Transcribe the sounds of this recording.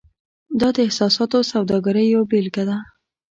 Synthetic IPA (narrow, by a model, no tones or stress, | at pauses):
d̪ɑd̪əɪhsɑsɑt̪osawd̪ɑɡaɾəjːawbelkad̪a